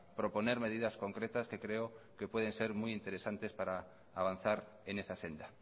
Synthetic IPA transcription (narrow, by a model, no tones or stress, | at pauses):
pɾoponeɾmeðiðaskoŋkɾet̪askekɾeokepweð̞enseɾmujint̪eɾesant̪espaɾa | aβ̞an̟θaɾ | enesasend̪a